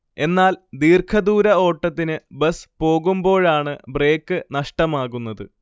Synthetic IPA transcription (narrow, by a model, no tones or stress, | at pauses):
e̞nːaːld̪iːrkʰɐðuːɾɐo̞ːʈːɐt̪ːinɨbɐspo̞ːɣumbo̞ːɻaːɳɨbre̞ːkːɨnɐʂʈɐmaːɣunːɐðɨ